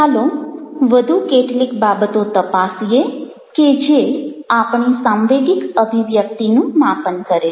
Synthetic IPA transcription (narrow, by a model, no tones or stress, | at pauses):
ɦaloʋəd̪ʱukeʈlikbabət̪ot̪əpasije | ked͡ʒeapɳisamʋeɡɪkəbʱiʋjək̚t̪inũmapənkəɾe